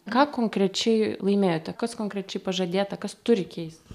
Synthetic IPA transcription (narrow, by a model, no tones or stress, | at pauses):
kɑːkoːŋkɾʲɛt͡ʃʲɛɪlˠɐɪmʲeːjoːt̪ʲɛkɐskoːŋkɾʲɛt͡ʃʲɛɪpɐʒɐd̪ʲeːt̪ɐkɐst̪ʊɾʲɪkʲɛɪst̪